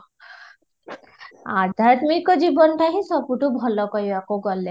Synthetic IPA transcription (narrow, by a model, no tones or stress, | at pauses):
ad̪ʱaɾt̪mikːɔd͡ʑibɔnʈaɦĩsɔpuʈubʱɔlɔkɔɦiwakoɡɔlːe